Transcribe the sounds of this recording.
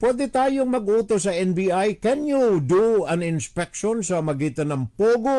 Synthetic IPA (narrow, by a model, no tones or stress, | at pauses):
pwɛːd̪ɛt̪aːjoŋmɐɡuːt̪os̬ɐɛnbiajkɛnjud̪uɐnɪnspɛkʃonsɐmɐɡiːt̪ɐnɐŋpoːɡo